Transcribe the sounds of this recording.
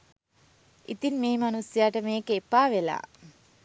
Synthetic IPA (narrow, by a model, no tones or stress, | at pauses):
it̪inmeːmanusjaːʈəmeːkeepːaːʋela̰ː